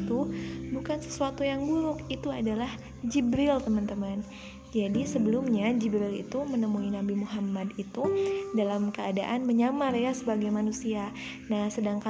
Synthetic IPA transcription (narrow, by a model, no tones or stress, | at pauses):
t̪ubukansə̥suat̪ujaŋbuɾʊkit̪uadalah | d͡ʒibɾɪlt̪əmant̪əman | d͡ʒadisəbəlumɲad͡ʒibɾilḭt̪umənəmuinabimuɦamadit̪udalamkəadaʔanməɲamarjasəbaɡajmanusia | nahsədaŋka